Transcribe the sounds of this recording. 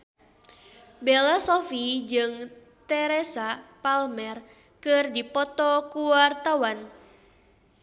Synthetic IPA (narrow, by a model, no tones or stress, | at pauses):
belasɔfid͡ʒɨŋ | t̪ɛɾesapalmɛr | kɨrdipɔt̪ɔkuwart̪awan